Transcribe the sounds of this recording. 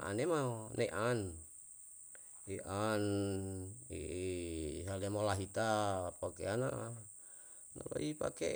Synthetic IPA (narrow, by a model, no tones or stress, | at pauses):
ʔa̰nemanʔeʔan | iʔan | ḭ | salemolaɦit̪apakeana̰ʔ | na̰lo̰ipa̰ke